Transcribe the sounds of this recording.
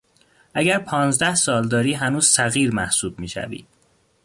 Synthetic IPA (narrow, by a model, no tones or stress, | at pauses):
ʔæɟæɾpʰɒːnzd̪æhsɒːld̪ɒːɾiːɦænuːz̥sæɣiːɾmæhsuːb̚miːʃæ̰vḭːd̪̥